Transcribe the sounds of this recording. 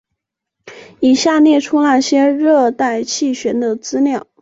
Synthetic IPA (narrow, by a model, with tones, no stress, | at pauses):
i˨˩ɕja˥˧njɛ˥˩ʈ͡ʂʰu˥na˥˩ɕjɛ˥ɻɤ˥˧t̪a˥˧ɪt͡ɕʰi˥˩ɕɥɛ˧˥nd̪ə˧t͡sɹ̩˥ljɑ˥˩ʊ